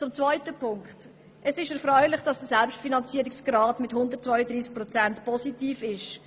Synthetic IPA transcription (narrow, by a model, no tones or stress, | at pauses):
t͡sʊmt͡svœʏtəpʰʊŋkt | ʔɛsɪʃɛɾfɾœʏlɪχd̥ɑsd̥əsɛlpʃtfinɑnt͡siəɾɪksɡ̥ɾɑːtmɪtɦʊnd̪ət̚t͡svœʏədɾiːsk̚pɾɔt͡sɛntpʰɔsitiːfɪʃ